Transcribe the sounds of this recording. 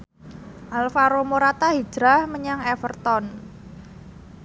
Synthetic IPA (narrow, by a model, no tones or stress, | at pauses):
ʔalfaɾomoɾat̪aɦi̥d͡ʒ̥ɾahməɲaŋɛfərt̪ɔn